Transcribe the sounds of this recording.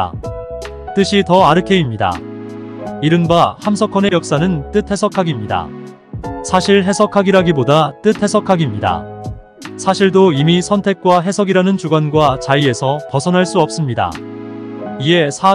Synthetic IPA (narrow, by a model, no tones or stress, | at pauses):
t͈ɯɕʰitʌaɾɯkʰe̞imɲida̰ | iɾɯnbahamsʰʌkʰʌne̞jʌk̚s͈anɯnt͈ɯt̚ʰe̞sʰʌkʰaɡimɲida̰ | sʰaɕʰiɭɦe̞sʰʌkʰaɡiɾaɡibodat͈ɯt̚ʰhe̞sʰʌkʰaɡimɲida̰ | sʰaɕʰiɭdoimisʰʌntʰe̞k̚k͈waɦe̞sʰʌɡiɾanɯnt͡ɕuɡanɡwat͡ɕaie̞sʰʌpʌsʰʌnɦaɭs͈uʌp̚s͈ɯmɲida̰ | ie̞sʰa